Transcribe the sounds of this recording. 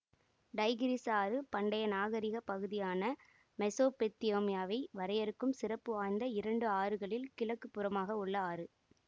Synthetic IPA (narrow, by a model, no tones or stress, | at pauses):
ɖɐɪɣɪɾisaːɾɯpɐɳɖɐjɐnaːɣɐɾɪɣɐpɐɣɯðɪjaːnɐ | mɛsoːpɛt̪ːɪjoːmɪjaːʋɐɪʋɐɾɐjɐɾɯkːɯmsɪrɐpːɯʋaːjnd̪ɐɪɾɐɳɖɯaːɾɯɣɐɭɪlkɪlɐkːɯpːɯɾɐmaːɣɐʊɭːɐaːɾɯ